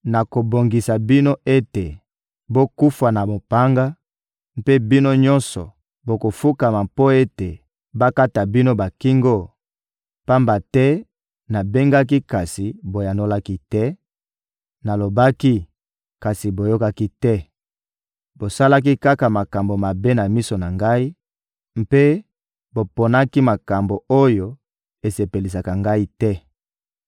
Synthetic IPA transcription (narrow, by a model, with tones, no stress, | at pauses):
na˨ko˨bo˨ŋɡi˨sa˨bi˦no˦ʔe˦te˨ | bo˦ku˦fa˨na˨bo˨pa˦ŋɡa˦ | m˦pe˦bi˦no˦ɲɔ˦nsɔ̰˨ | bo˨ko˨fu˦ka˨ma˨po˦e˦te˨ | ba˦ka˦ta˨bi˦no˦ba˨ki˦ŋɡo˦˨ | pa˦mba˨tɛ˦ | na˨be˦ŋɡa˦k̬i˦ka˨si˨bo˨ja˨no˦la˦ki˦tɛ˦ | na˨lo˨ba˦ki˦ | ka˨si˨bo˨jo˦ka˦ki˦tɛ˦ | bo˨sa˦la˦k̬i˦ka˦ka˨ma˨ka˨mbo˨ma˨be˦na˨mi˦so˨na˨ŋɡa˦i˦ | m̩pe˦ | bo˨po˨na˦ki˦ma˨ka˨mbo˨o˦jo˨ | e˨se˨pe˨li˨sa˨ka˨ŋɡa˦i˦tɛ˦